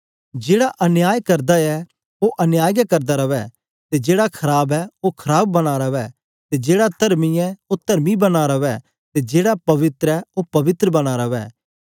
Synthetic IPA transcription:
d͡ʒeːɽaʔɐnjaːjkɐɾd̪aɛ | oʔɐnjaːjɡakɐɾd̪aɾɐʋɛ | t̪ed͡ʒeːɽakʰɐɾaːbɛokʰɐɾaːb̚ːɐɽ̃aɾɐʋɛ | t̪ed͡ʒeːɽat̪ɐɾmiɛot̪ɐɾmibɐnaːɾɐʋɛ | t̪ed͡ʒeːɽapɐʋɪt̪ɾɛopɐʋɪt̪ɾəbɐɽ̃aːɾɐʋɛ̰ː

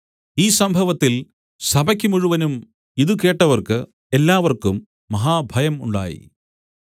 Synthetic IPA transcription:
iːsɐmbʱɐʋɐt̪ːil | sɐbɐkʲːumuɻuʋɐnum | iðuke̞ːʈːɐʋɐrkɨ | elːaːʋɐrkumː | ɐɦaːbʱɐjɐmṵɳɖa̰ːjḭ

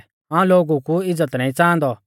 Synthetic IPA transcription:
ãːũloːɡukuɪd͡zət̪nãːĩt͡sãːnd̪ɔ

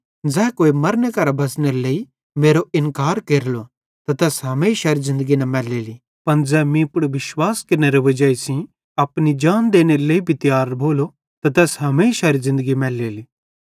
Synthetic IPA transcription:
d͡zɛːkoːimɐɾnekɐɾabɐs̬neɾlei | meːɾoɪnkaːɾkeːɾlo | t̪ɐt̪ɛːsɦɐmeːʃaɾizɪ̃nd̪əɡinɐmɛːlːeːli | pɐnd͡zɛːmĩpʊɽʋɪʃwaːskɪɾneɾɛʋɐd͡ʒaːisĩ | ɐpnid͡ʒaːnd̪eːneɾleibʱit̪jaːɾbʱoːlo | t̪ɐt̪ɛːsɦɐmeːʃaɾizɪ̃nd̪əɡimɛːlːeːliː

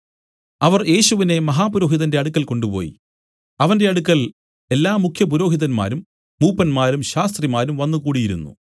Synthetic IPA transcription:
ɐʋɐrje̞ːɕuʋine̞mɐɦaːpuɾo̞ːɦiðɐnde̞ɐɽukːɐlko̞ɳɖupo̞̰ːjḭ | ɐʋɐnde̞ɐɽukːɐɭ | e̞lːaːmːukʰjɐp̬uɾo̞ːɦiðɐnma̰ːɾumː | uːpːɐnmaːɾumɕaːst̪rimaːɾumʋɐnːukuːɽijiɾṵnːṵ

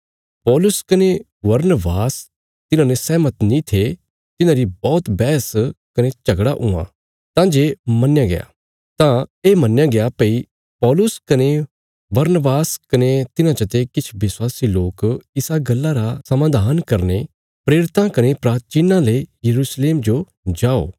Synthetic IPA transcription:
pɔːlʊskɐne | ʋɐɾnəbaːs | t̪ɪnãnesɛːmət̪nĩt̪ʰe | t̪ɪnãɾibɔːt̪bɛːskɐnet͡ʃɐɡɽaʔʊã̰ | t̪ãːd͡ʒeːmɐnjaɡḛja̰ | t̪ãeːmɐnːjãɡejapɐi | pɔːlʊskɐne | bɐɾnəbaːskɐnet̪ɪnãt͡ʃɐt̪ekɪt͡ʃʰʋɪswaːsiloːkɪsaɡɐlːaɾasɐmãːd̪ʱaːnkɐɾne | pɾeːɾɪt̪ãkɐnepɾaːt͡ʃinãlejɐɾuːsleːmd͡ʒo | d͡ʒaːo̰ː

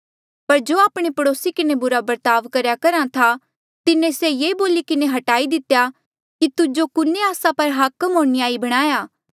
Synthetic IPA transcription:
pɐɾd͡ʒoːaːpɽ̃epɐɽoːsikɪnebʊɾabɐɾt̪aːʋkɐɾjakɐɾãt̪ʰa | t̪ɪnẽsejeːboːlikɪneɦɐʈaːid̪ɪt̪eja | kit̪ʊd͡ʒokʊneaːsãpɐɾɦaːkəmɦõːɽ̃iaːibɐɽ̃aːjaː

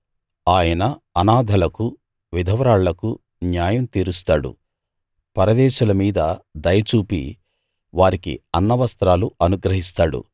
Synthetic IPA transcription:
aːjɐnɐːnaːd̪ʱɐlɐku | ʋid̪ʱɐʋɐɾaːɭːɐku | njaːjɐmt̪iːɾust̪aːɽṵ | pɐɾɐd̪ɛːʃulɐmiːd̪ɐd̪ɐjɐt͡ʃuːpḭ | ʋaːɾikḭɐnːɐʋɐst̪ɾaːluɐnuɡɾɐɦist̪aːɽṵ

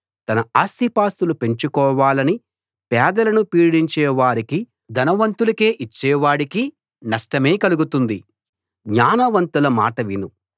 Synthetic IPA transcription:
t̪ɐnɐaːst̪ipaːst̪ulupe̞ɲt͡ʃukɔːʋaːlɐni | pɛːd̪ɐlɐnupiːɽiɲt͡ʃɛːʋaːɾiki | d̪ɐnɐʋɐnt̪ulɐke̞ːʔit͡ʃːɛːʋaːɽiki | nɐʂʈɐme̞ːkɐluɡut̪und̪i | ɡɲaːnɐʋɐnt̪ulɐmaːʈɐʋinu

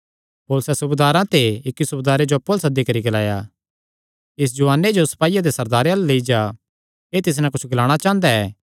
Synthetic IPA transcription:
poːlsɛsʊbd̪aːɾãt̪eɪkːisʊbd̪aːɾed͡ʒopoːlsad̪ikɐɾiɡɐla̰ːja | ɪs̬d͡ʒʊaːnːed͡ʒosɐ̥paːijad̪esɐɾd̪aːɾɐlleid͡ʒa | eːt̪ɪs̬nɛ̃kʊt͡ʃʰɡɐlaːɽ̃at͡ʃãːnd̪aɛː

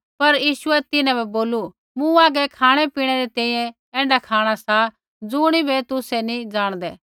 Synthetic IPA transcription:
pɐɾjiːʃʊɛt̪ɪnãbɛboːlu | mũaːɡɛkʰaːɽ̃ɛpiːɽ̃ɛɾɛt̪ɛ̃ːĩjɛ̃ | ɛ̃ːɳɖakʰaːɽ̃asa | d͡zʊːɽ̃ibʱɛt̪ʊsɛnĩd͡zaːɽ̃d̪ɛː

